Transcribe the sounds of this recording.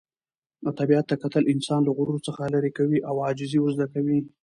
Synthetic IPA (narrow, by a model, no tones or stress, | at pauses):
t̪abiat̪ːakat̪əlɪnsɑnlaɣʊɾuɾot͡səxalaɾekawiʔawɑd͡ʒɪzewəzd̪akawi